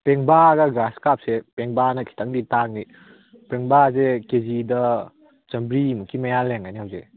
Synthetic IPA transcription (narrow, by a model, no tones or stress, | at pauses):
peŋbaɡɐɡɾaskap̚sepeŋbanɐkʰi̥tʰaŋditaŋ̚ni | peŋbazekezidɐ | t͡ʃɐmbɾimukʰimɐjaleŋajnihawze